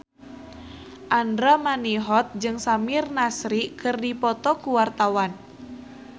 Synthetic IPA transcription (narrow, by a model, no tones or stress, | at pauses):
ʔandɾamaniɦɔt̪̚d͡ʒɨŋsamirnasɾikɨrdipɔt̪ɔkuwart̪awan